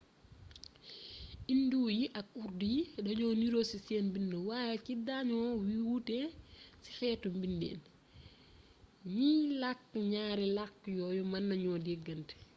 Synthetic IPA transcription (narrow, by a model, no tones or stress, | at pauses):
ʔinduːjiʔɐk̚urdidɐɲɔːniɾoːsisɛːnbinːəwaːjɛkidaɲɔwiwutɛsi̥xɛːtumbindɛ̰ːn | ɲilakːɲaːɾilakːjɔːjɔmɐnːɐɲɔːdɛɡːɐntɛ̥